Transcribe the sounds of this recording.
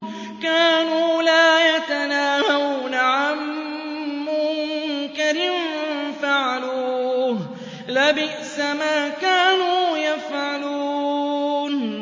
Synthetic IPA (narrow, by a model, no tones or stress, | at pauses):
kaːnuːlaːjat̪anaːhawuːnaʕamː | ʊŋkaɾɪnfaʕaluː | labɪʔsamaːkaːnuːjafʕaluː | n